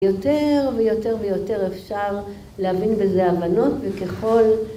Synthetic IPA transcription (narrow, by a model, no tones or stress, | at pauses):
jo̞teʁvejo̞te̞ʁvejo̞te̞ʁefʃaʁ | leavinbezeavano̞tveke̞χo̞l